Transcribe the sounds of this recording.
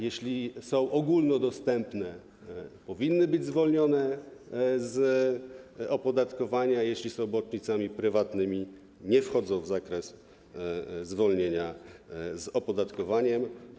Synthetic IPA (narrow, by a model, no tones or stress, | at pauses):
jɛɕlʲisɔ̃w̃ʔɔɡulnɔd̪ɔst̪ɛmpnɛ | pɔvʲinːɘbɘd͡ʑzvɔlɲɔnɛ | z | ɔpɔd̪at̪kɔvaɲajeɕlʲisɔ̃w̃bɔt͡ʂɲit̪samʲipɾɘvat̪nɘmʲi | ɲɛfxɔd̪zɔ̃w̃vzakɾɛs | zvɔlɲeɲazɔpɔd̪at̪kɔvaɲɛm